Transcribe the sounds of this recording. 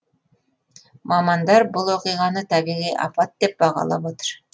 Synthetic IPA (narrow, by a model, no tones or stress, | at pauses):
mɑmɑnd̪ɑɾbulˠoqɯjʁɑnɯt̪æβiɣiʔɑ̰pɑt̪̚d̪ep̚bɑʁɑ̰lˠɑβot̪ɯ̥ɾ